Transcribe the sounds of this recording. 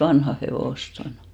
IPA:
ʋɑnhɑ heʋoˑst on

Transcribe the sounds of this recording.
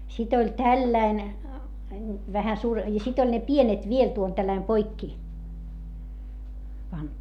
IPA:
sit olʲ tælːæin ʋæhæ suːr jɑ sit olʲ ne pienet ʋiel tuol tælːæim poikːi pɑntu

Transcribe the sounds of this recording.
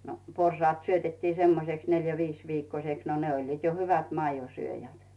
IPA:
no porsɑːt syøtetːiː semːoseks neljæ ʋiːs ʋiːkːosʲeks no ne olʲliːt jo hyʋæt mɑijosyøjæt

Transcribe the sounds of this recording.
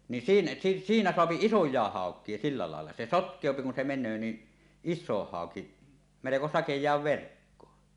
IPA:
ni siːn siːnæ soɑpi isojˑɑˑeh hɑˑokˑie silːɑ lɑˑelːɑ se sotkˑeˑopi kun se menˑøː ni isˑoh hɑoki meleko sɑkejˑɑːʋ ʋerkːoː

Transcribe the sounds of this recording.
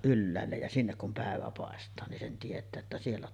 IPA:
ʔylːæːlːej jɑ sinːek kum pæˑeʋæ pɑˑestɑː nin sen tietˑæː etːæ sielːæ

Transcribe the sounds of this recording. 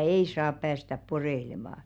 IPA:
ei sɑːp pæːstæp poreĭlemɑˑ

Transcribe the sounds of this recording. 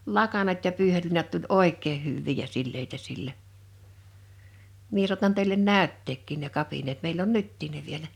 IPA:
lɑkɑnɑt jɑ pyːhelːiːnɑt tulʲ oˑekˑeː hyʋːiː jɑ silːeitæ silːæ mie suɑtɑn teˑilen næˑytːeːkːiˑn ne kɑpineːt meil on nytːiːn ne ʋielæ

